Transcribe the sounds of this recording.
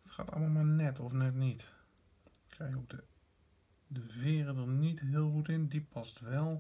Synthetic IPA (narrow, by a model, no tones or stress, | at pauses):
ətxa̰ːtɑ̰lˠmamanɛtɔfnɛtnit | kʰɛjokdə | dəvɪːrədənitɦɪːəlˠxutɪndipʰɑstʋɛlˠ